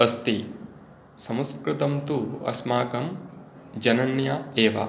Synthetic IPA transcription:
ɐst̪i | sɐmɐskɾɪt̪ɐmt̪uɐ̰smaːkɐm | d͡ʒɐnɐnjɐeːʋɐ̰

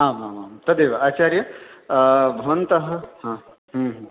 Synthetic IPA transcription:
ɦaːmaːmaːmt̪ɐd̪eːʋaaːt͡ʃaːɾjɐ | bʱɐʋɐnt̪ɐɦɐɦã | ɦəmɦ

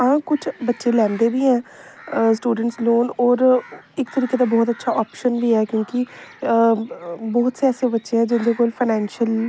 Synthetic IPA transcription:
ãːkʊt͡ʃʰbətːʃeːlɛ̃ːnd̪eːbiːɦɛ̃ː | sʈuːɖəɳʈsloːnɔːɾ | ɪkt̪əɾiːkeːt̪aːbɔːt̪ətːʃʰaːʔɔːpʃənʋiːɦɛːkjõːkɪ | bɔːt̪seɛːseːbətːʃeɦɛ̃ːd͡ʒɪnd̪eːkoːlpʰaɪnɛ̃ːnʃəl

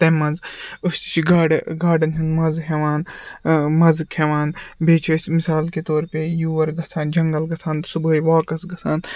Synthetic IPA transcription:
t̪ɐmɐnzɐst̪i̥t͡ʃʰɡaːɖɡaːɖɐnɦɐnmɐzɦʲeʋaːn | mɐzkʰeʋaːnbʱeːt͡ʃʰesʲmisaːlket̪oːɾpejuːʋɐɾɡɐt͡sʰaːnd͡ʒɐŋɡɐlɡɐt͡sʰaːnt̪subʱəːjʋaːkɐsɡɐsʰaːn

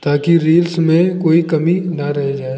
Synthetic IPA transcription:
t̪aːkiɾiːlsmẽkoːikɐminaɾɐɦed͡ʒaːe

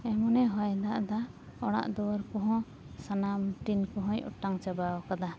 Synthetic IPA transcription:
ɛmɔnɛɦɔjd̪aʔd̪aɔɽ̃a̰ʔd̪ɔwaɾkɔɦɔ̃ | sanamʈinkɔɦɔ̃jɔ̰ʈaŋt͡ʃabaɔkad̪a

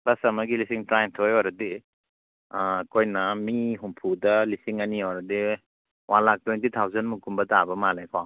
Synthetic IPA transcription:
bɐsɐmɐɡilisiŋtɾajntʰojɔɾɐdi | kʰojnɐmiɦumpʰudɐlisiŋɐniɔɾɐdi | walak̚twejntitʰawzɐnmukumbɐtabɐmalejkʰa

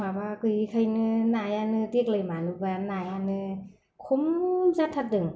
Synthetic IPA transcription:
mabakɯjkʰajnɯnajanɯtik̚lɯjmanɯbanajanɯ | kʰumzatʰat̚dɯŋ

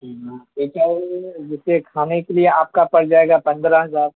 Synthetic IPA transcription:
ɦãeːt͡ʃaːd͡ʒɪsekʰaːnẽkelieaːp̚kapɐɽd͡ʒaːeːɡapɐ̃nd̪ɾãɦɐzaːɾ

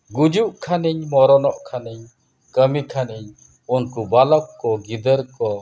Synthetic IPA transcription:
ɡud͡ʒuʔkʰaniɲmɔɾɔnɔʔkʰaniɲ | kəmikʰaniɲ | unkubalɔkːɔɡid̪əɾkɔ

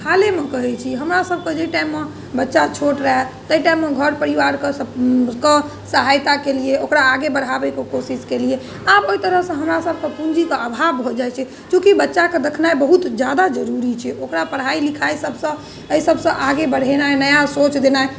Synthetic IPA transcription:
hʰalemekəɦɛt͡ʃʰiɦəmɾasəb̚ʱked͡ʒəjʈaimːe | bətːʃat͡ʃʰoʈɾəɦɛt̪əiʈaimːeɡʱəɾpəɾiʋaɾkeke | səɦajt̪akelieokɾaːɡebəɽ̤abɛkekosiskelie | aboit̪əɾəɦsə̃ɦəmɾasəb̚ʱkepund͡ʒikeəbʱabbʱod͡ʒajt͡ʃʰɛ | kjũkibətːʃaked̪ekʰnaebəɦut̪d͡ʒjad̪ad͡ʒəɾuɾit͡ʃʰɛʔokɾapəɽ̤ɦailikʰajsəbʱsə̃ | əisəbʱsə̃ʔaɡebəɽ̤ɦenaenəjasot͡ʃd̪enae

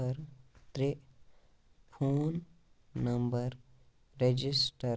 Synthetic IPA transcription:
əɾt̪ɾe | pʰoːnː | ɐmbəɾ | ɾed͡ʒisʈə

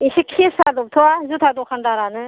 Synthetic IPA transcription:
isikʰiesadɔp̚tʰɯwazutʰadɔkʰandaɾanɯ

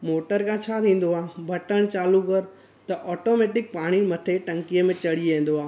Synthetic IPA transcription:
moːʈəɾkãt͡ɕʰaːt̪ʰĩːn̆d̪oaːbʱɐʈəɽ̃t͡ɕaːlukɐɾ | t̪ɐʔɔːʈoːmeːʈɪk̚paːɽ̃imɐt̪ʰeʈɐ̃ŋkijəmẽt͡ɕɐɽiẽːn̆d̪oaːɦ

